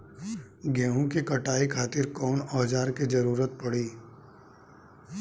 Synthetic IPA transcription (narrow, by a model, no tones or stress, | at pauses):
ɡɛːɦũkikɐʈaːikʰaːt̪ɪɾkɔːnɔːd͡ʒaːɾked͡ʒɐɾuːɾət̪̚pɐɽiː